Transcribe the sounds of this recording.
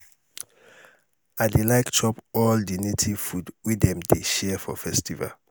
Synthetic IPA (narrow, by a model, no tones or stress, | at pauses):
adelaɪktʰɔpɔldinitʰifudwidɛ̃mdeʃɛfɔ̰fɛstiva̰l